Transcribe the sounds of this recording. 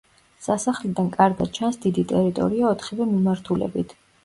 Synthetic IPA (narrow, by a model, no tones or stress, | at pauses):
sasaχlɛd̪ankʼaɾɡad̪̚t͡ʃʰansd̪id̪it̪ʼɛɾit̪ʼɔ̰ɾiaɔt̪ʰχivɛmimaɾt̪ʰulɛ̰bit̪ʰ